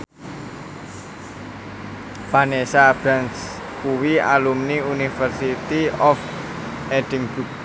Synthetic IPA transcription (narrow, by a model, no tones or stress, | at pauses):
fanesab̥ɾans | kuwia̰lumniunifərsit̪iɔf | ed̥ɪ̤ŋb̥uk̚